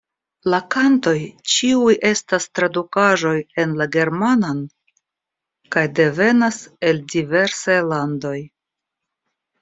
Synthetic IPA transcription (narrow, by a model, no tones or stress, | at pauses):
lakanto̞jt͡ʃiujʔe̞stastɾadukaʒo̞je̞nlaɡe̞ɾmanan | kajde̞ve̞nase̞ldive̞ɾsajlando̞j